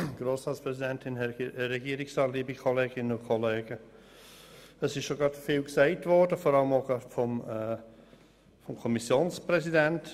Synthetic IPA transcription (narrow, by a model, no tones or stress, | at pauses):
ɡ̥roːsʁɑːtspʁɛsidɛntʰɪnɛɾɛɡiːɾɪksɑːtliːbikʰɔleːɡɪnənʊkʰɔleːɡ̥ə | əsɪʃʃoɡɾɑtfiːlksaɪtvɔɾdəfɔɾɑləmoɡɑtfɔmɛ | fɔmkʰɔmisjoːnspɾɛsidɛnt